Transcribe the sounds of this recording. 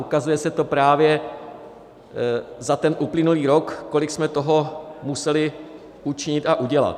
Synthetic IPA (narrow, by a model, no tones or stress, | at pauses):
ʔukazujɛsɛt̪o̞pɾaːvjɛ | zat̪ɛnʔuplɪnuliːɾo̞kːo̞lɪksmɛt̪o̞ɦo̞musɛlɪ | ʔut͡ʃɪɲɪt̪aʔuɟɛla̰t̪